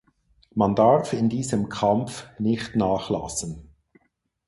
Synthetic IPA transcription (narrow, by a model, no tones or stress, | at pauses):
mandaʁfɪndiːzəmkʰamfnɪçtnaːχla̰sən̩